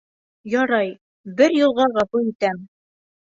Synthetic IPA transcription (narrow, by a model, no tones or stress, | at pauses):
jɒɾɑj | bɘɾjŭlˠʁɑʁɑpujit̪æm